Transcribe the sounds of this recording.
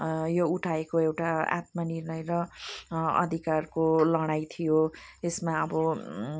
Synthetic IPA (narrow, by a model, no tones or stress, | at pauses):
jouʈʰaekoewʈaa̰t̪̚manirnʌjɾʌ | ʌ̰d̪ʱikarkolʌɽ̃ajt̪ʰijoesmaʌbʌ